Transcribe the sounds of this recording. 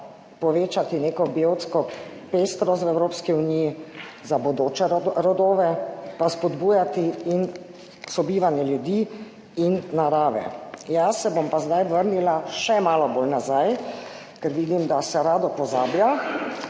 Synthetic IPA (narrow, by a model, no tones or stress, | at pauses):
pɔʋeːt͡ʃat̪ineːkɔbiowt̪skɔ | peːst̪ɾɔst̪wɛwɾoːpskiuniji | zabɔd̪oːt͡ʃɛɾɔd̪oːʋɛpaspɔd̪buːjat̪iin | sɔbiːʋanjɛljud̪i | inːaɾaːʋɛ̰jasːɛbompazd̪ajʋəɾnilaʃɛmaːlɔbolnazaj | kɛɾʋiːd̪imd̪asɛɾaːd̪ɔpɔzaːblja